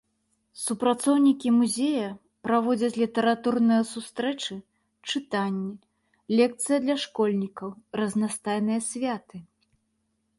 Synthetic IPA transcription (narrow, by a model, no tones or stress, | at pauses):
supɾat̪sɔwnʲikʲimuzʲejɐ | pɾavɔd͡zʲɐt͡sʲlʲit̪ɛɾat̪urnɨjɐsust̪ɾɛt͡ʂɨ | t͡ʂɨt̪anʲːɛ | lʲɛk̚t̪sɨjɐd̪lʲɐʂkɔlʲnʲikɐwrɐznast̪ajnɨjɐsʲvʲat̪ɨ